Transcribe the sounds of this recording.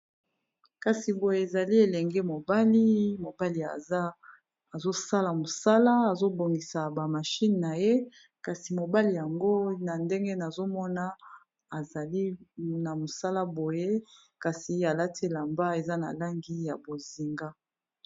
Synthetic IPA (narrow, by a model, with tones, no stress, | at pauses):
ka˨si˨bo˨je˨e˨za˨li˦e˨lɛ˨ŋɡɛ˦mo˨ba˦li˦mo˨ba˦li˨a˨˦ | a˨zo˦sa˦la˨mo˨sa˦la˦a˨zo˦bo˨ŋɡi˨sa˨ba˨ma˨ʃi˦n˨na˨je˦ | ka˨si˨mo˨ba˦li˨ja˨ŋɡo˦na˨nde˦ŋɡe˦na˨zo˦mɔ˦na˨ | a˨za˨li˦na˨mo˨sa˦la˦bo˨je˦ | ka˨si˨a˨la˦tʰe˦la˨mba˦e˨za˦na̰˨la˦ŋɡi˦ja˨bo˨zi˨ŋɡa˦